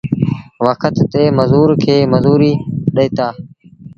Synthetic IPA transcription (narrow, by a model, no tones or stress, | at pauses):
ʋəkʰət̪ːeːməzuːɾkʰeːməzuːɾiːɗeɪːt̪aː